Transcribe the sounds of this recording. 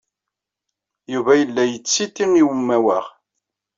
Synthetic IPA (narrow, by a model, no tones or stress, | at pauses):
juvæjəlːæjət͡sːit̪ːiniwəmːæwæʁ